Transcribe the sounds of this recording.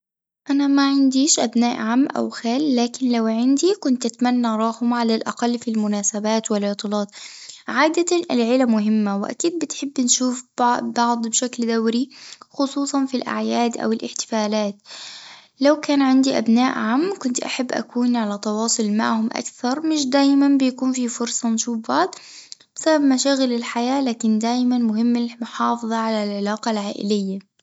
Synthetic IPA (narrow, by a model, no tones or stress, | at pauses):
ʔanamaʕɪnd̪iːʃʔabnaːʔʕamːʔa̰wxaːlːaːkɪnlawʕɪnd̪ikʊnt̪ʔat̪manːaɾˤɑːhʊmʕalalʔaqɑlːfilmʊnaːsabaːt̪wɪlːɪt̪ˤːɨlɑːt̪ˤʕaːd̪aaɪlʕɪlamʊɦɪmːawɪʔa̰kiːd̪̚bɪt̪ħɪbːɪnʃuːfbbɑʕd̪ˤbʃakld̪awɾixʊsˤuːsˤɑnfilʔa̰ʕjaːd̪ʔa̰wɪlʔɪħt̪ɪ̥faːlaːt̪ | lawkaːnʕɪnd̪iʔa̰bnaːʔʕaːmːkʊnt̪ʔa̰ħabːʔa̰kuːnʕalat̪ɑwɑːsˤʊlma̰ʕhʊmʔa̰kθɑɾˤmɪʃd̪aːjmanbɪjakuːnfifʊɾsˤɑnʃuːfbɑʕd̪ˤbɪsababmaʃaːɣɪlɪlħajaːlaːkɪnd̪aːjmanmʊɦɪmːɪmʊħɑːfɨðˤɑʕalalʕɪlaːqɑlʕaːʔɪ̰lɪjːa